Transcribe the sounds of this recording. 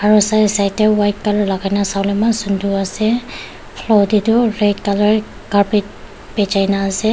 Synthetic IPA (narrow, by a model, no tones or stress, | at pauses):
aɹusajsajtɛwajt̚kalɔɹlaɡajnasawlɔmansundʱuasɛ | pʰlɔditʊɹet̚kalɔɹ | kaɹpit̚ | pɛd͡ʒajnaːsɛ